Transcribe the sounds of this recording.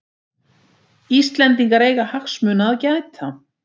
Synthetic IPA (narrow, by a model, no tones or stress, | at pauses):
ist̪lɛnt̪iŋkaɾeːjɣahaxsmʏːnaaːðcajt̪ʰa